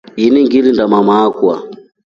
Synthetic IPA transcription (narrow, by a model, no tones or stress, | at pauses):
iniŋɡilindamamaːkwa̰